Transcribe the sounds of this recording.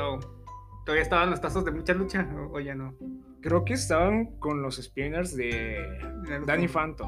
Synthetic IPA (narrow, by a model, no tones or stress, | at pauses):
o | t̪oðaβiaest̪aβanlost̪asozðe̞mũt͡ʃalut͡ʃaʔoʝano | kɾe̞oke̞ːst̪aβaŋko̞nlo̞sespjoneɾzðe | d̪anifant̪o